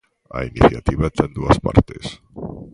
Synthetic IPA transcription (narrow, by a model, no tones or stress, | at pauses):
ainiθjat̪iβat̪end̪uaspa̰ɾt̪es